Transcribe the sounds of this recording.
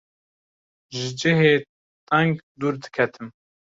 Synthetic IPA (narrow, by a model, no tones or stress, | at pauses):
ʒɨd͡ʒɨɦeː | t̪ʼɛŋɡd̪uːɾd̪ɨ̥kʰɛt̪ʰɨm